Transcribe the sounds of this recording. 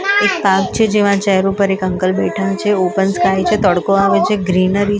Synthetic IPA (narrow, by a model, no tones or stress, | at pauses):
ek̚pak̚t͡ʃʰed͡ʒeʋãt͡ʃɛɦɾupəɾekəŋkəlbeʈʰənt͡ʃʰeopənskajt͡ʃʰet̪əɽkoaʋet͡ʃeɡɾinəɾi